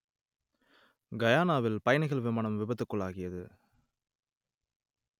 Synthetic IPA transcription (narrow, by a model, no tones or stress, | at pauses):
ɡɐjaːnaːʋɪlpɐjɐnɐɪɣɐɭʋɪmaːnɐmʋɪbɐt̪ːɯkːɯɭːaːɣɪjɐðɯ